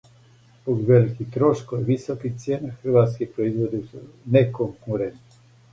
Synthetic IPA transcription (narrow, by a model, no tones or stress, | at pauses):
poɡʋelikit̪ɾoʃkojʋisokixt̪sʲjenaxr̩ʋat̪skixpɾoizʋod̪isunekoŋkuɾent̪ni